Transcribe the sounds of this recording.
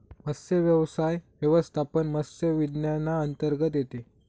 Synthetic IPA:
məsjəʋjəʋsajʋjəʋəst̪ʰapənməsjəʋid̪njanːaənt̪əɾɡət̪̬jet̪e

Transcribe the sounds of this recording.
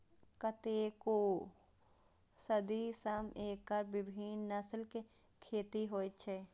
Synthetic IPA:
kət̪eko | səd̪isəmeːkːəɾbɪbʱiːnːəslke | kʰeːt̪iɦoːit͡ʃʰeː

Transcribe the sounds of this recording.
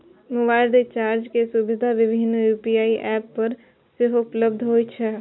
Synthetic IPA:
mʊbaːɪld̪et͡ʃaːɾd͡ʒkesʊbɪd̪ʱaʋɪbʱɪnjuːpijaːiʔɛːpːɐɾ | sɪfʊpləbd̪ʱɦoːit͡ʃʰɛ

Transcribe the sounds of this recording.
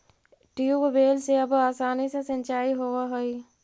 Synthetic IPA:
ʈiubbeːlseɐbaːsaːnisesə̃nt͡ʃaːiɦoːʋaɦoi

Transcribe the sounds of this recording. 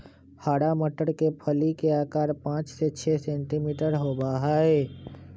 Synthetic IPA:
haːɽaməʈəɽkepʰəlikeaːkaːɾpãːt͡ʃset͡ʃʰɛsẽːɳʈimiːʈəɾɦoːbaɦaːeː

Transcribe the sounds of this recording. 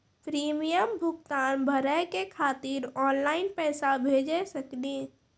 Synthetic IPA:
pɾiːmijəmbʱʊkt̪aːnbʱəɾəkekʰaːt̪ɪɾɔːnlaːɪnpɛːsabʱeːd͡ʒesəkdĩː

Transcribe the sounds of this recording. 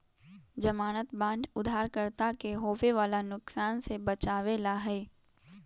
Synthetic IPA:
d͡ʒɐmaːnət̪bãːɳɖʊd̪ʱaːɾkəɾt̪akeɦoːfeʋaːlanʊksaːnsebɐt͡ʃaːʋeːlaɦɛː

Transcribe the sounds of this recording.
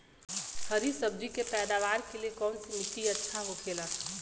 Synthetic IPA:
həɾisəb̚d͡ʒikepɛːd̪aːʋaːɾkeliekɔːnsimɪt̪iɐtːʃʰaɦokʰeːlaː

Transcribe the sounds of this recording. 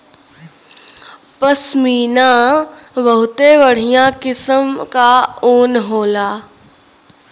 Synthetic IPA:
pəsmiːnã | ʋɐɦʊt̪eʋəɽ̤ijãkɪsəmkaoːnɦoːlaː

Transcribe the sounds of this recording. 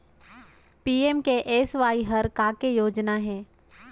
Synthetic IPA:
piːemkeʔeːsʋaːiɦɐɾkaːkejoːd͡ʒnaɦɛ̃ː

